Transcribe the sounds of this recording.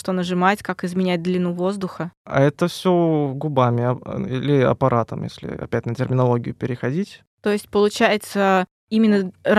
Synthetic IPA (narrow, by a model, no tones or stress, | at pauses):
ʂt̪onəʐɨmatʲkakɪzmʲɪnʲæt̚ʲd̪lʲɪnuvo̞zd̪ʊxəa̰ɛt̪əfsʲoɡʊbamʲɪɐilʲɪɐ̰pɐɾʔat̪əmjḛsʲlʲɪ̰ɐ̰pʲætʲnətʲɪrmʲɪnɐlˠo̞ɡʲɪjʊpʲɪɾʲɪxɐdʲitʲ | t̪o̞jɪsʲt̚ʲpəlˠʊt͡ɕæjɪt̪sə | imʲɪnːəɾ